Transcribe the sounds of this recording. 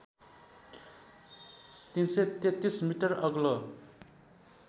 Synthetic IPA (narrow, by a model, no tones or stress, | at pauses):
t̪inset̪et̪ismiʈʌrʌɡlʌ